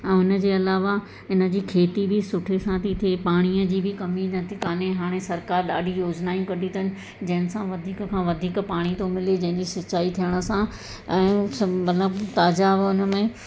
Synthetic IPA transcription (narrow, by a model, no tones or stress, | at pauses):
ɛ̃ːʊnə̆d͡ʑeːɐlaːʋa | ɪnə̆d͡ʑiːkʰeːt̪ibʱɪsʊʈʰesãt̪ʰit̪ʰepaːɽ̃iəd͡ʑiːbʱɪkɐminɐt̪ʰikaːneɦaːɽ̃ẽsɐɾkaːɾɗa̰ːɖʱijoːd͡ʑnaːĩkɐɖʱit̪ʰɐɦɪnɪ̆ | d͡ʑɐ̃ɦɪ̃nɪ̆sãʋɐd̪ʱiːkəkʰãːʋɐd̪ʱiːkpaːɽ̃it̪omɪled͡ʑɐ̃ɦɪ̃ɲd͡ʑiʃɪt͡ɕaːit̪ʰijəɽ̃ə̆sã | ɛ̃ːmɐt̪ləbt̪aːd͡ʑaʊnə̆mẽ